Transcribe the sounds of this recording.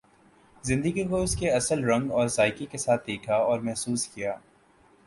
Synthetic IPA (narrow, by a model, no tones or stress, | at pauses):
zɪ̃nd̪əɡikoɪskeɐsəlɾɐ̃ŋɡɔːɾsaːɪkikesaːt̪̚ʰd̪eːkʰaɔːɾmɛɦsuːskijaː